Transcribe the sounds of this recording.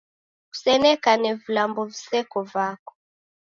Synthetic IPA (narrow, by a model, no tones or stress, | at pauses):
ku̥sɛnɛkanɛvulambɔvisɛkɔvakɔ̥